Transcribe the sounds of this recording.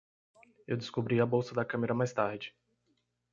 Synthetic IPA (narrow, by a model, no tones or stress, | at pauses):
ewd̪ɪskobɾiɐbowsɐd̪ɐkɐ̃meɾɐmajst̪aɾd͡ʒɪ